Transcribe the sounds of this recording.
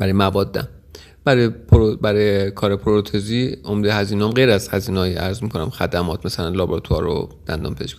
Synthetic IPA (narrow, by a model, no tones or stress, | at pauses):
b̥æɾɒjemævɒːd̪ːæ̰m | b̥æɾɒjepʰoɾbæɾɔjekʰɒːɾepʰoɾot̪ʰeziːomd̪ehæziːnɒːmɡejɾæz̥hæziːnɒːjiæɾzmiːkʰonæ̰mxæd̪æmɒːt̪ʰmæsælænlɒːbɾt̪ʰuɒ̰ɾo̰d̪̥æ̰nd̪ɒ̰ːmpʰezʃkʰ